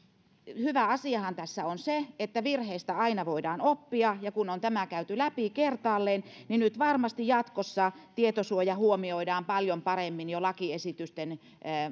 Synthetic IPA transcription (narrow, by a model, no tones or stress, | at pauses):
hyʋæɑsiɑhɑnt̪æsːæonseet̪ːæʋirheist̪æɑinɑʋoidɑːnopːiɑjɑkunont̪æmækæyt̪ylæpikert̪ɑːlːeːnninyt̪ʋɑrmɑst̪ijjɑt̪kosːɑt̪iet̪osuojɑhuomioidɑːmpɑljompɑremːinjolɑkiesit̪yst̪enː